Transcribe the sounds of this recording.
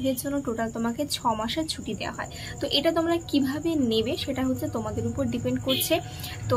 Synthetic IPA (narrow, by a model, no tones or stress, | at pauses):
d̪eɾd͡ʑonːoʈoʈalt̪omaket͡ɕʰɔmaʃeɾt͡ɕʰuʈid̪ea̰ɦɔe | t̪oʔeʈat̪̬omɾakibʱabenebeʃeʈaɦot̪ʰːɕʰet̪omad̪eɾupoɾɖipeɳɖkoɾt͡ɕʰe | t̪o